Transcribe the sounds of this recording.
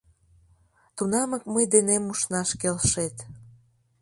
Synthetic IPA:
t̪unɑmɤkməjd̪enemuʃnɑʃkelʃet̪

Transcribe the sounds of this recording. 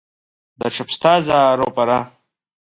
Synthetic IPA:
d̪ɐʈ͡ʂʰɐpst̪aːzaːɾopɐɾa

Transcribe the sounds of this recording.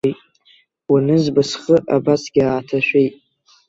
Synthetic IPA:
jtʼ | wanɨzbasχəʔabasɡ̥ʲaːtʰaʃʷᶣejtʼ

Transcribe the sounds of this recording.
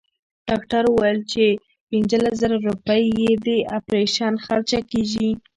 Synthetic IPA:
ɖ̥ɑkʈaɾuwajəlt͡ʃe | pɪnzəlas̬zaɾaɾupəjːed̪əapɾeʃanxaɾt͡ʃakeʒi

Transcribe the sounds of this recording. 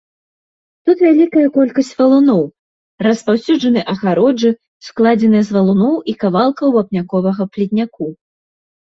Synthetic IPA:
t̪ut̪vʲalʲikɐjɐkɔlʲkɐsʲt͡sʲvɐlˠunɔw | rɐspawsʲud͡ʐɐnɨʔɐɣaɾɔd͡ʐɨ | sklˠad͡zʲɛnɨjɐzvɐlˠunɔwikavalˠkɐwbɐpnʲakɔvɐɣɐplʲid̪̚ʲnʲaku

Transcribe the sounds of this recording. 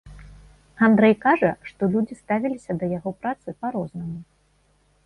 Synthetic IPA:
ɣand̪ɾɛjkaʐɐʂt̪ɔlʲud͡zʲist̪avʲilʲisʲɐd̪ɐjaɣɔpɾat̪sɨpɐɾɔznɐmu

